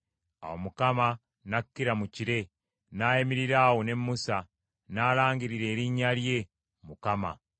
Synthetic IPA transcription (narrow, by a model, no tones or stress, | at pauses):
a̰wo̰mukama | nakːiɾamuciɾe̞ | najemiɾiɾaːwone̞mːusa | naːlaːŋɡiɾiɾe̞ːɾiɲaɾje̞ | mukama̰